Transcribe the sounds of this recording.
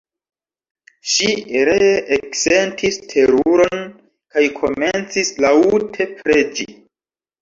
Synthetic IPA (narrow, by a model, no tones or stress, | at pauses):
ʃiɾe̞ekse̞ntʰistʰe̞ɾuɾo̞n | kajkʰo̞me̞nt͡sislautʰe̞pɾe̞d͡ʒḭ